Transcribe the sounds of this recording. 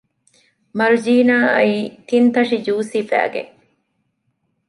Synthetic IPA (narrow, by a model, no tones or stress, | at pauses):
mɐɾud͡ʒiːnaːɐiːt̪int̪ɐʂid͡ʒuːsifæ̰ːɡḛ